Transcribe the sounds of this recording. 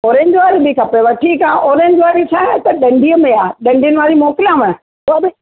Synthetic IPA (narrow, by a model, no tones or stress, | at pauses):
oːɾẽːɲd͡ʒʋaːɾibɪkʰɐpeʋɐʈʰikãːʔoːɾẽːɲd͡ʑʋaːɾisʰãt̪ɐɗɐ̃ɳɖʱiːəmẽaːɗɐ̃ɳɖʱijʊnɪʋaːɾimɔːkɪlãmɛ̃ | ʊabɪ